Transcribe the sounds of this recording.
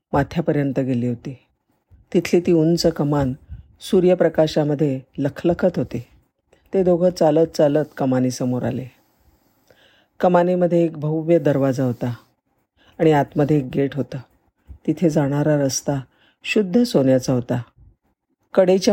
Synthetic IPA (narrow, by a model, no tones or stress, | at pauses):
mat̪ʰjapəɾjənt̪əɡeliːɦot̪iː | t̪it̪ʰliːt̪iːunt͡səkəman | suɾjəpɾəkaɕaməd̪ʱːjeləkʰləkʰət̪ɦot̪i | t̪ed̪oɡʱət͡salət̪̚t͡salət̪kəmaniːsəmoɾa̰le | kəmaniməd̪ʱːjeːk̚bʱəuʋjəd̪əɾʋad͡zaɦot̪aː | ɽ̃iat̪məd̪ʱːjeːk̚ɡeʈɦot̪əː | t̪it̪ʰed͡zaɽ̃aɾaɾəst̪a | ɕud̪ʱːəsonjat͡saɦot̪a | kəɽet͡ɕa